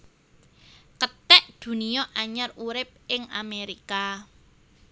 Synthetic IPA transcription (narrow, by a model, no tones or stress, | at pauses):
kət̪ɛʔd̪̥ṳniɔʔaɲaruɾɪp̚ɪŋa̰meɾika